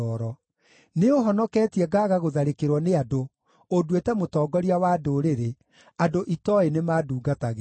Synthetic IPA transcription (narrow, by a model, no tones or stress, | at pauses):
ɔɾɔ | neoɦɔnɔkɛːtiɛɡaːɣaɣoðaɾekeɾwɔneado | odwetɛmotɔːɡɔɾiawaːdoɾeɾe | adoʔitɔenemaːduːɡataɣe